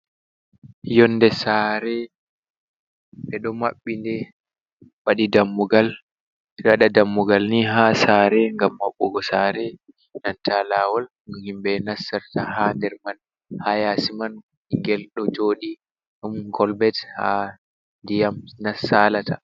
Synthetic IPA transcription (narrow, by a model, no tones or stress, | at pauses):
jɔnːdɛsaɾɛ | ɓɛɗɔmaɓːindɛ | waɗidamːuɡal | ɗaɗadamːuɡalniɦasaɾɛŋɡamːaɓːɔɡɔsaːɾɛ | nantalawal | himbɛnasːaɾtahandɛɾman | hajasiman | ŋɡɛlɗɔd͡ʒoːɗi | ɗumɡɔlbɛtha | ndijamnasːalatʰa